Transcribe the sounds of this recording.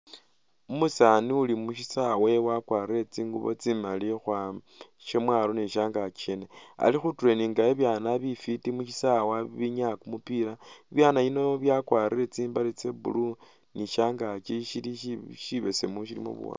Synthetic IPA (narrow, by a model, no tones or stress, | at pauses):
umusaniulimuʃisawe̞wakwariɾet͡siːŋɡuβo̰t͡simalixwa | ʃemwaːloniʃaːŋɡat͡ʃenea̰lixutuɾe̞niːŋɡaeβjaːnaβifitimuʃisawaβiɲakumupiɾaeβjaːnaino̞βjakwaːɾiɾet͡siːmbalit͡sebṵlu | niʃaːŋɡat͡ʃiʃiliʃiβese̞muʃ̬ilḭmṵβṵwa̰